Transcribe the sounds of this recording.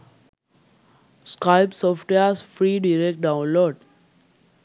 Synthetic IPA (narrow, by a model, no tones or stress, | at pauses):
skaɪpsɔːfʈasfɾiːɖiɾek̚ʈ̚ɖãʊ̃nloːɖ